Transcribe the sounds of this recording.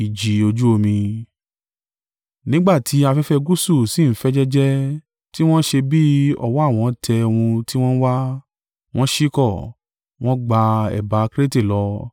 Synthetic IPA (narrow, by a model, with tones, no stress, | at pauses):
i˨d͡ʒi˨˦o˧d͡ʒu˦o˧mĩ˧ | nĩ˨˦ɡ͡ba˦˨tʰi˨˦a˧fɛ˦fɛ˧ɡu˦su˦˨si˦˨n̩˦fɛ˦d͡ʒɛ˦d͡ʒɛ˦ | ti˦w̃ɔ̃˦ʃe˧bi˦ɔ̰˦˨wɔ˨˦a˦˨w̃ɔ̃˨˧˨tʰɛ˧o˧wũ˧ti˦w̃ɔ̃˦n̩˦wa˦ | w̃ɔ̃˦ʃi˦kɔ˦˨ | w̃ɔ̃˦ɡ͡ba˧ɛ̰˨ba˨˦kɾe˦te˦˨lɔ˧